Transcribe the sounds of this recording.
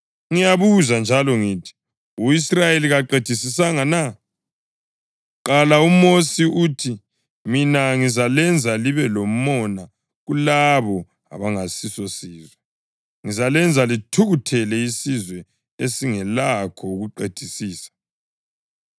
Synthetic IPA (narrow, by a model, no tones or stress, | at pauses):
ŋijaβuzand͡ʒʱalɔŋiːtʰi̥ | uisrajeliɣaǃed̥ʱisisaŋana | ǃalaumosiuːtʰi | minaŋizalɛnd͡zʱaliβɛlom̩ɔna | ɣulaβɔ | a̰βaŋasisɔsiːzwɛ | ŋizalɛnd͡zʱalitʰuɣutʰɛlɛisizwɛ | esiŋɛlakʰɔuɣuǃed̥ʱisiːsḁ